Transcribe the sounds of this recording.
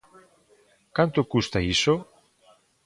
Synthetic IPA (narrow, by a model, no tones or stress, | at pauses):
kant̪okust̪aiso